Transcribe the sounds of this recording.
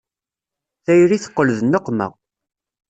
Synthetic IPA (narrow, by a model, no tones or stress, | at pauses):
θæjɾiθə̥qːəlðənːoqːmə̰ʁ